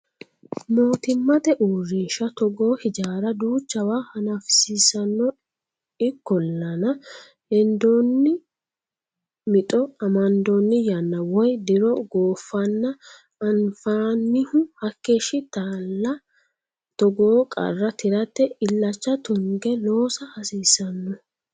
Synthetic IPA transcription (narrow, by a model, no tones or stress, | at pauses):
moːt̪ɪmːɐt̪ɛʔuːrːiːʃɐt̪ɔɡo̞ːhɪd͡ʒaːɾɐd̪uːt͡ʃːɐwaːhɐnɐfsɪsɐnːɔ | ɪkːɔlːɐnɐ | ɛnd̪oːnːɪ | mɪt̪ʼɔɐmɐnd̪onːɪjɐnːɐwɔjd̪ɪɾɔɡoːfːɐnːɐ | ɐnfaːnːɪhʊhɐkːeːʃɪt̪aːlːɐ | t̪ɔɡoːkʼɐ̰rːɐt̪ʰɪɾɐt̪ːɛɪlːɐt͡ʃːɐt̪ʊŋɡɛlo̞ːsɐhɐsiːsɐnːɔ